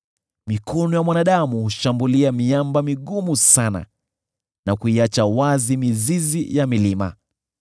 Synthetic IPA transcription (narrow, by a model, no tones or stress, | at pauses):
mikʰɔnɔjamwanaɗamuhuʃambuliamiambamiɠumusana̰ | nakuiat͡ʃawazimizizijamilima̰